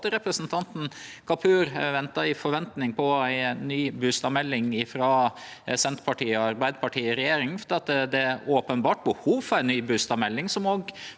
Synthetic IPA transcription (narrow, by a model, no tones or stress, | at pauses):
t̪əɾɛpɾəsnt̪ʰɑnt̪n̩kʰɑpʰʉːɾʋɛnt̪ɑɪfɔɾʋɛnt̪nɪŋpʰɔæɪnyːbʉst̪ɑmɛlːɪŋɪfɾɑ | sɛnt̪pʰɑʈʰiːɔɑɾbæɪd̪əpʰɑʈʰiːɾɛjeːɾɪŋfd̪ɑt̪d̪ɛoːpənbɑːʈ̚bəhuːʋfɔɾæɪnyːbʉst̪ɑmɛlːɪŋsɔmoːɡ